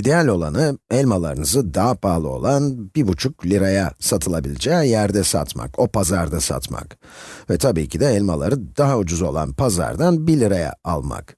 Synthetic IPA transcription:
id̪ejalʲo̞lˠanɯɛlʲmalˠa̰ɾɯnɯzɯd̪aɦapʰaːlˠɯo̞lˠanbibut͡ʃʰuklʲiɾajasat̪ʰɯlˠabilʲid͡ʒɛjæɾd̪ɛsa̰t̪ma̰ko̞pʰazaɾd̪asa̰t̪ma̰kvɛt̪ʰabiːcʰid̪ɛɛlʲma̰lˠa̰ɾɯd̪aɦaud͡ʒuzo̞lˠa̰npʰaza̰ɾd̪anbilʲiɾaja̰alˠma̰k

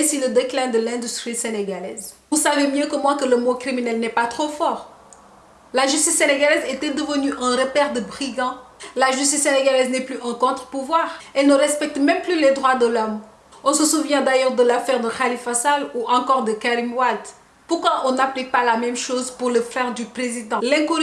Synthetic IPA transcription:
ɛ̃siləd̪eklɛ̃d̪əlɛ̃d̪yst̪χiseneɡalɛz | usavemjøkəmwɛ̃kələmokχiminɛlnɛpat̪χofɔʁ | laʒyst̪isːeneɡalɛzet̪ɛd̪əvənyʔɛ̃ʁəpɛʁd̪əbʁiɡɑ̃laʒyst̪isːeneɡalɛznɛplyʔɛ̃kɔ̃t̪χə̥puvwaʁɛlnəʁɛspɛk̚t̪mɛ̃mplyled̪ʁwad̪əlɔm | ɔ̃səsuvjɛ̃d̪ajœʁd̪əlafɛʁd̪əχalifasaluʔɑ̃kɔʁd̪əkaʁimwad̪ | puʁkwaʔɔ̃naplik̚palamɛmʃozpuʁləfɛʁd̪ypχezid̪ɑ̃lɛ̃ku

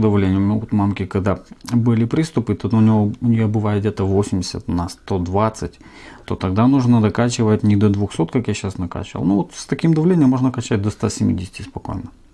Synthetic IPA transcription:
d̪ɐvlʲenʲɪjmʲovot̪mamkʲɪkɐɡd̪abɨlʲɪpɾʲist̪ʊpɨt̪ot̪ʊnʲɪjoʊnʲɪjobɨvajɪd̪̚dʲet̪əvosʲɪmʲdʲɪsʲə̰t̪nɐst̪o̞d̪vat̪sɨtʲ | t̪o̞t̪ɐɡd̪anuʐnəd̪ɐkat͡ɕɪvətʲnʲɪd̪od̪vʊxsot̪kakjaɕːasnɐka̰t͡ɕɪvə̰lˠnuvot̪st̪ɐkʲimd̪ɐvlʲenʲɪjəmːo̞ʐnəkɐt͡ɕːæt̚ʲd̪ost̪asʲɪmʲḭdʲɪsʲɪ̥tʲɪspɐko̞̰jnə

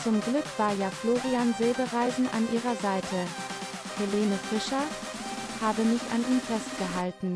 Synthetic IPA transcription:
t͡sʊmɡlʏkv̥aːɐjaːfloːʁianzeːbəʁaɪzn̩ʔa̰nʔiːʁ̞ɐzaɪtʰə | heleːnəfɪʃɐ | haːbəmɪçʔa̰nʔiːnfɛst̚ɡ̥əɦaltn̩

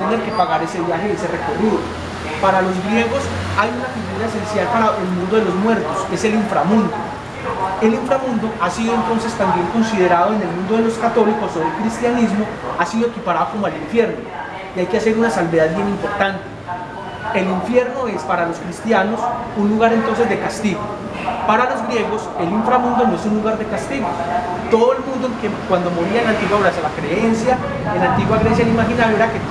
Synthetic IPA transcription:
t̪ene̞ɾke̞paɣaɾe̞se̞βjaxee̞sere̞ko̞riðo | paɾalo̞zɡɾje̞ɣos | ajunafiɣuɾae̞se̞nsjalpaɾae̞lmũnd̪o̞ðelo̞zmwe̞ɾt̪o̞se̞se̞liɱfɾamũnd̪o | e̞liɱfɾamũnd̪o̞ʔasiðo̞e̞nt̪o̞nse̞st̪ambje̞ŋko̞nsið̞e̞ɾaðo̞ene̞lmũnd̪o̞ð̞elo̞skat̪o̞liko̞soelkɾist̪janizmo̞asiðoe̞kipaɾaðoko̞moeliɱfje̞ɾno̞ | iajkease̞ɾunasalbeð̞aðbje̞nĩmpo̞ɾt̪ant̪e | e̞liɱfje̞ɾno̞e̞spaɾaloskɾist̪jano̞sunluɣaɾent̪o̞ns̬e̞zd̪e̞kast̪iɣo | paɾalo̞zɡɾje̞ɣo̞seliɱfɾamũnd̪onoe̞sunluɣaɾd̪e̞kast̪iɣo | t̪o̞ðoe̞lmũnd̪oeŋkekwand̪o̞mo̞ɾiaenlant̪iɣwaoɾasjalakɾe̞ensja | enlant̪iɣwaɣɾe̞s̬jaelimaxinaðjoeɾake

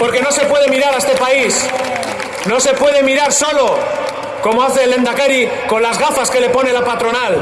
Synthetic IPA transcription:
po̞ɾke̞no̞se̞pwe̞ð̞e̞miɾaɾaest̪e̞pais | no̞se̞pwe̞ð̞e̞miɾaɾso̞lo̞ | ko̞moaθe̞le̞nd̪akeɾi | ko̞nlazɣafaske̞le̞po̞ne̞lapat̪ɾo̞nal

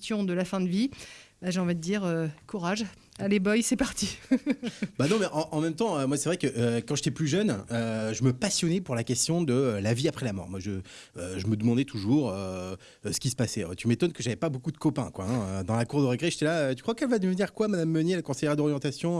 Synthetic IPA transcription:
t̪jɔ̃d̪əlafɛ̃d̪əvibaʒeɑ̃vid̪əd̪iʁøkuʁaʒ | alebɔjsɛpaʁt̪i | banɔ̃mɛʔɑ̃ʔɑ̃mɛ̃mt̪ɑ̃ømwasɛvʁɛkəʔøkɑ̃ʒet̪ɛplyʒœnøʒəməpasjɔnɛpuʁlakʲɛst̪jɔ̃d̪əlaviapχɛlamɔ̰ʁmwaʒə | øʒəməd̪əmɑ̃d̪ɛt̪ʰuʒuʁø | sə̥kʲis̬ə̥pasɛø̰t̪ymet̪ɔnkəʒavɛpabokud̪əkɔpɛ̰̃kwaɛ̃ød̪ɑ̃lakuʁd̪əʁəɡʁɛʒet̪ɛlaøt̪y̥kχwakɛlvad̪əvəniʁkwamad̪amːənɛlkɔ̃sejʁad̪ɔʁjɑ̃t̪asjɔ̃

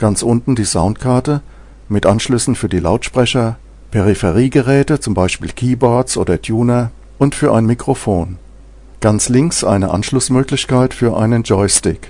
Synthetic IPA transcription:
ɡ̥ant͡sʔʊntn̩diːzaʊntkʰaɐtə | mɪtʔanʃlʏsn̩fyːɐdiːla̰ʊtʃpʁ̥ɛçɐ | pʰɛʁ̞ifɛʁ̞iːɡəʁɛːtət͡sʊmbaɪʃpḭːlkʰiːbɔɐtt͡sʔo̰ːdɐtʰjuːnɐ | ʔʊntfyːɐʔaɪnmikʁ̥ofoːn | ɡ̥ant͡slɪŋksʔa̰ɪnəʔa̰nʃlʊsmøːklɪçkaɪtfyːɐʔa̰ɪnənd͡ʒɔɪstɪk

